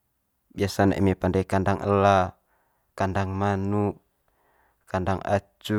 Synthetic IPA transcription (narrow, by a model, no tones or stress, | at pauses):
biasana̰ʔimepandakandaŋʔəla | kandaŋmanu | kandaŋa̰t͡ʃu